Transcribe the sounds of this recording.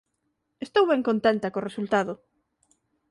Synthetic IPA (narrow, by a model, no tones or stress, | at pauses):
est̪owβɛŋkont̪ent̪ɐkoresult̪aðʊ